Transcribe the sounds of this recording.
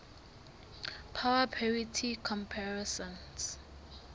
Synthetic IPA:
pʰawapʰɛɹitʰikʰɔ̃mpʰaɹɛsɔ̃ns

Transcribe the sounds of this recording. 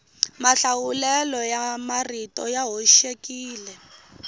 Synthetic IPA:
maɬawulɛlɔjamaritɔ̰jaɦoʃekiːlɛ

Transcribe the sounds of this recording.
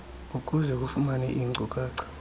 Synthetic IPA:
uk̬ʼuzɛk̬ʼufumanɛ̰ʔiŋ͡ǀʱukʼaːǀḁ

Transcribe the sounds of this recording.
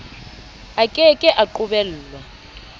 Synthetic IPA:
akʼɛkʼɛʔaǃuɓɛl̩ːlwa

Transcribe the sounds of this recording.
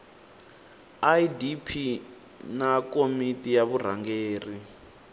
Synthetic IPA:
ajidipʰi | nakomitʼijaβura̰ŋɡeːri

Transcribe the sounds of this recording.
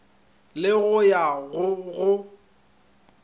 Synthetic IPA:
lɪɣʊjaɣʊɣʊ

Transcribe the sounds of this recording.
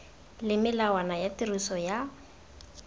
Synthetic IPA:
lɪmɪlawanajatirusɔja

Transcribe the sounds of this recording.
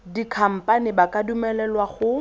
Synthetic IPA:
dikʰam̩pʼanɪbakʼadumɛlɛlwaχʊ

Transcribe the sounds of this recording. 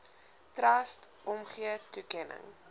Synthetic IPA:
trɐstʔɔmχiətukɛnə̰ŋ

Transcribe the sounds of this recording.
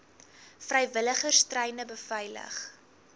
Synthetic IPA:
frəjvələχərstrɛjnəbəfɐjlə̰χ

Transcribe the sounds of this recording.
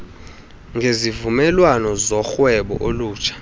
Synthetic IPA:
ŋɡʱezivumɛlwanɔzɔxwɛɓɔ̰ʔoluːt͡ʃʰḁ

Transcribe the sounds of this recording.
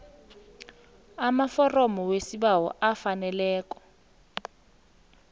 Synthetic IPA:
amafɔrɔmɔwesiɓawɔ̰ʔafanɛlɛːk̬ʼɔ̥

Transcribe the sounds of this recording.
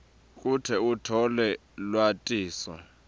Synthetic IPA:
kʼutʰɛutʰɔlɛ | lwatʼiːsɔ̰

